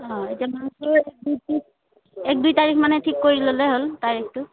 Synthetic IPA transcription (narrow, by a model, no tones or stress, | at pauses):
ɔ̃etiamasɔɹɛk̚duji | ɛk̚dujtaɹikʰmanɛtʰikːoɹilolɛɦoltaɹiktʊ